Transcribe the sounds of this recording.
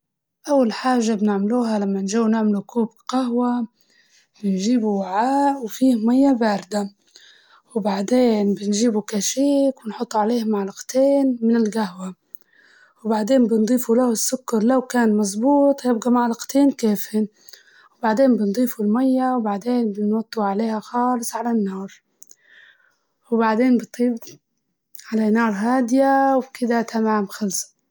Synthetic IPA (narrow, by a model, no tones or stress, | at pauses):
ʔawːalħaːʒːabnɪʕmluːɦalamːanʒuːwnɪʕmlukuːbqaɦwa | bɪnʒiːbuwaʕaːʔwfiːhmajːabaːɾɪd̪a | wbaʕd̪eːnbɪnʒiːbukaʃiːkwɪnħʊt̪ˤːuʕaleːhmaʕlɑqt̪eːnmɪnɪlɡahwa | wbaʕd̪eːnbɪnd̪ˤiːfulahʊsːʊkːɑɾˤlawkaːnmɑzˤbuːt̪ˤjɪb̚ɡamaʕlɑqt̪eːnkeːfɪn | wbaʕd̪eːnbɪnd̪ˤiːfulmajːawbaʕd̪eːnbɪnwɑt̪ˤːuʕaleːhaxɑːlɨsˤʕalanːɑːɾˤ | wbaʕd̪eːnbɨt̪ˤiːb | ʕalanɑːɾˤɦaːd̪ɪjawkɪd̪at̪ʰamamxalsḁ